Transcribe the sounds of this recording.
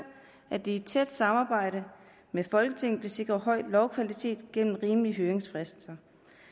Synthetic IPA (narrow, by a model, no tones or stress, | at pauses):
ʔæd̥eed̥̚t͡sʰed̥sɑ̈mɑ̈ːb̥ɑ̈ɪ̰ɾ̥ə | mefɒ̽lɡ̥ət͡sʰe̝ŋ̰n̩b̥e̝se̝ɡ̥ʁɐɦɒ̽ɪ̰d̥lɒʊkʰʋælit͡sʰe̝̰ːd̥ɡ̥en̰m̩ʁiːmliɦøːʁeŋsfʁɛsd̥n̩sɐ